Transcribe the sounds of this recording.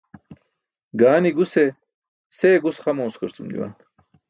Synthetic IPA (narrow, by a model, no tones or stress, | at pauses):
ɡaːniɡuse | seːɡusχɐmɐuskəɾt͡sumd̪ḭwa̰n